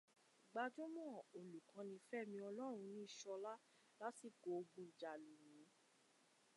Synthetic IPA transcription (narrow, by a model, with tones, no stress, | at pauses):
ɡ͡ba˧d͡ʒo˦mɔ̃˦˨o˨lu˨kã˧˦nĩ˧fɛ˦˨mĩ˧ɔ˧lɔ˦ɾ̃ũ˧nĩ˦i˦˨ʃɔ˧la˦ | la˦ti˦˨ɡo˨o˧ɡ͡bũ˧˦i˨d͡ʒa˨le˨nĩ˨˦